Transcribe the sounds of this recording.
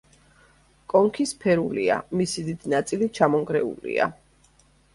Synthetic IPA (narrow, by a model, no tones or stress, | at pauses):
kʼɔŋkʰispʰɛɾulḭa̰misid̪id̪inat̪sʼilit͡ʃʰamɔŋɡɾɛṵlḭa̰